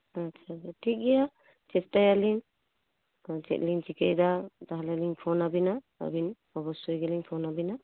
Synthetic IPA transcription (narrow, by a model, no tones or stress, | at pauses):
at͡ʃʰaaʈʰik̚ɡɛja | t͡ʃɛstajaliŋ | d͡ʒɛ̰t̚lint͡ʃikejd̪adaɦalaliŋpʰɔnabina | a̰binbɔbɔsɔjɡeliŋpʰɔnabina